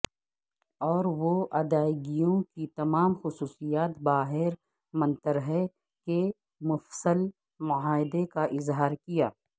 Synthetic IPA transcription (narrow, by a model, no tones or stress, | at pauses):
ɔːɾʋoʔɐd̪aːɪɡijõkit̪ɐmaːmxʊsuːsijaːt̪baːɦɪɾ | mɐ̃nt̪əɾɦɛ | ke | mʊfsəl | mʊaːɪd̪ekaʔɪzɦaːɾkijaː